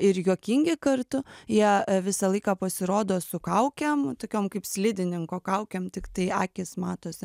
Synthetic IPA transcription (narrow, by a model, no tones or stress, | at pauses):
ɪɾjuːkʲɪŋʲɡʲɪkɐrt̪ʊjiɛʋʲɪsɐlˠɐɪkɑːpɐsʲɪɾoːd̪oːsʊkɐʊkʲɛmt̪oːkʲoːmkɐɪpsʲlʲɪd̪ʲɪnʲɪŋkoːkɐʊkʲɛmt̪ʲɪkt̪ɐɪɑːkʲɪsmɑːt̪oːsʲɪ